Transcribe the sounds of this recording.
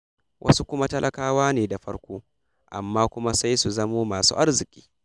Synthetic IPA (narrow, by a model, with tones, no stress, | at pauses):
wʔɐ̰˦su˦kʷʊ˦ma˦tɐ˦lʔɐ˦kaː˦waː˦neː˨da˨ɸɐ˦ɽkʷoː˦ | ʔa̰˨mːaː˦kʷʊ˦ma˦sa˦jsu˨zɐ˦moː˦maː˨sṵː˦ʔa˦rzɪ˨kʲʼi̥ː˦